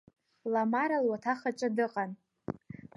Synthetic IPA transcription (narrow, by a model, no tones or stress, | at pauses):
lamaɾalwatʰaχat͡ʃʷʼadɨqʼan